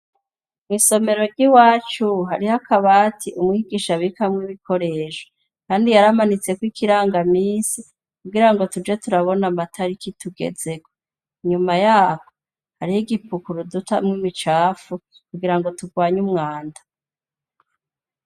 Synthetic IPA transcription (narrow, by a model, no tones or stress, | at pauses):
mŋiːso̞me̞ɾo̞ɾɟiwaːt͡ʃuɦaɾihakʰaβatʰiʔumŋiɡiʃaβikamŋiβikʰo̞ɾeːʃo̥ | kaːndijaɾamanit͡se̞kwikiɾaːŋɡamiːnsi | kuɡiɾaŋɡo̞tud͡ʒe̞tuɾaβo̞namatʰaɾikituɡe̞̰ze̞ko | ɲumajaːko | haɾihiɡipukuɾudutamŋimŋit͡ʃaːfu | kuɡiɾaŋɡo̞tuɡwaːɲumŋaːndḁ